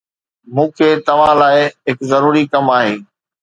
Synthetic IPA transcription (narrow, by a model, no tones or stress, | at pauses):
mũːkʰeːt̪ɐʋãlaːɪɦɪkzɐɾuːɾikɐmaːɦeː